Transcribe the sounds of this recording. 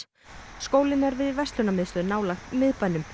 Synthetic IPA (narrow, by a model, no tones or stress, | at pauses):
skoːwlɪnɛɾvɪðvɛst̪lʏnamɪðst̪ʏðnaːwlaxt̪mɪðpajnːʏm